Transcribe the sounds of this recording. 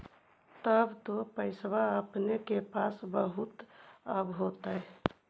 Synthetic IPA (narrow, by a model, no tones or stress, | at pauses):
t̪əbt̪opəɪswaəpnekepasbəɦut̪əbɦot̪aɛ